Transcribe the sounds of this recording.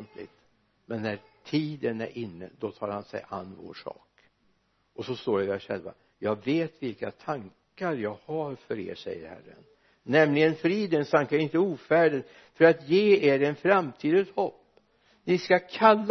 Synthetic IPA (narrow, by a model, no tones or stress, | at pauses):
nt̪lɪ̰ɡt̪ | mɛnːæɾt̪ʰiːd̪ənæ̰ɾʔɪnːə̰d̪ɔt̪ʰɑːɾhansɛ̰jʔa̰nːvo̰ːʂɑ̰ːk | ɔsɔst̪oːɖɛvæʂɛ̰lva̰ | jɑːɡveːt̪vɪlkat̪ʰaŋkaɾjɑːɡhaɾfœɾḛːɾʂɛ̰jːə̰ɾhæ̰rːə̰nː | ɛmlɪɡənfɾiːd̪ənst̪ʰaŋkaɾɪnt̪əuːfæːɖəd̪ | fœɾat̪jeːeːɾɛnfɾamt̪ʰiːd̪əshɔpː | nɪskakʰalː